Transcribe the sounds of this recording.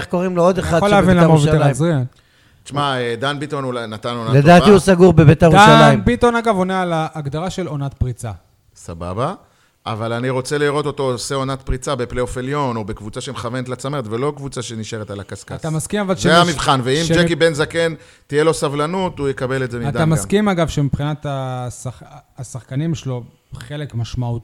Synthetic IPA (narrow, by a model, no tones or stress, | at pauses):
χko̞ʁimloo̞d̪eχad̪oʃleavinenlaeuʃalaimzʁia | ʃmmaed̪anbit̪onunat̪anonaled̪aːtiusaɡuʁbebeteʁaalajnmbit̪onaɡavonealaʔːɡd̪aʁaʃelonat̪pʁit͡sa | saba̰ba | ʔa̰valaniʁo̞t͡se̞liʁo̞t̪o̞t̪o̞oseo̞nat̪̚pʁit͡sabe̞pleofeljo̞no̞bekvut͡saʃemχavenet̪lat͡sameet̪velo̞kvut͡saʃeniʃeʁet̪alakaskat̪amaskimavalʃeeamivχanveimʃd͡ʒekibenzake̞n | t̪ijelo̞savlanut̪ujekabe̞letzemiad̪atamakimaɡavʃemipχinat̪asaχːsaχkanimʃlo | χele̞kmaʃmaut̪